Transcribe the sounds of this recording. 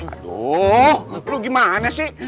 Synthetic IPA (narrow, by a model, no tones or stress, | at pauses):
a̰do | loɡimaanasi